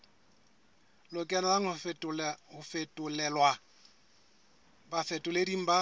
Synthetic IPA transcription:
lʊkʼɛnalaŋ̩ʼ | hʊfetʼʊlɛlwa | bafɛtʼʊlediŋ̩ba

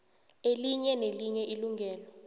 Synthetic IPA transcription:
eliɲɛneliɲɛʔiluŋɡʱɛːlɔ

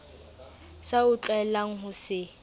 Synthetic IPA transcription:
saʊt͡ɬʼaɛlaŋ̩ɦʊsɪ

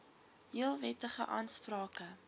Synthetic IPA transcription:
ɦiəlˠvɛtəχəʔɑːnsprɑːkə

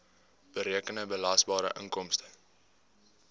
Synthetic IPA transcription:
b̥əɾiəkənəbəlɐsbɑːɾə̰ʔəŋkɔmstə̥

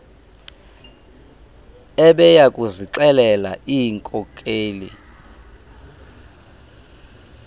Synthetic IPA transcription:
ɛɓɛjakʼuziǁɛlɛla̰ʔiŋkʼɔkʼeːlḭ

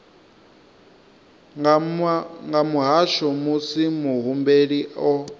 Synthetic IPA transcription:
ŋɡamuɦaʃɔmusimuɦumbeɺiʔɔ

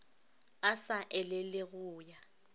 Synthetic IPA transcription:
asaʔɛlɪlɪɣʊːja

